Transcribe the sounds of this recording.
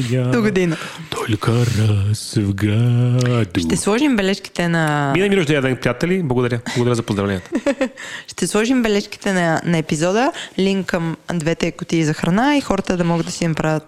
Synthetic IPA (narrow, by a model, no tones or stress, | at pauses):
jad̪oɡod̪inə | t̪ʰɔlʲkəɾasvɡad̪ʃt̪ɛslˠɔʒimbɛlɛʃki̥t̪ɛnɐminɐmiɾoʒd̪ɛɛd̪ɛnpɾijat̪ɛliblˠɐɡod̪ɐɾʲəbblˠɐɡod̪ɐɾəzɐpozd̪ɾɐvlɛnijɛt̪ə̥ | ʃt̪ɛslˠɔʒimbɛlɛʃki̥t̪ɛnɐnɐɛpizɔd̪əliŋkːɐmd̪vɛt̪ɛkʊt̪iːzɐxɾɐnaixɔɾət̪əd̪ɐmɔɡəd̪d̪ɐsinɐpɾavʲət̪̚